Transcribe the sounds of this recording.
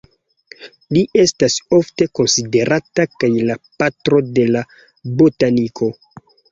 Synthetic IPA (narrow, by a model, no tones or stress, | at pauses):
liʔe̞staso̞fte̞ko̞nside̞ɾʔatakajlapatɾo̞de̞la | botanikʰo̞